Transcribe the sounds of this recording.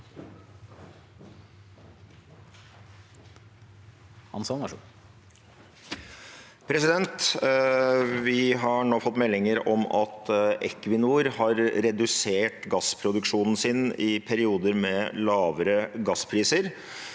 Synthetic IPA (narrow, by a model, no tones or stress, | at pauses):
hɑ̰nsɔn | pʰɾɛsɪd̪ɛnt̪ | ʋɪɦɑɳoːfɔt̪ːmɛlːɪŋəɾɔmɑ̰t̪ɛkʋɪnuːɾhɑɾɾɛd̪ʉseːʈɡɑspʰɾʊd̪ʉkʂuːnn̩sɪnɪpʰæɾɪuːd̪əɾmɛlɑːʋəɾəɡɑspʰɾiːsəɾ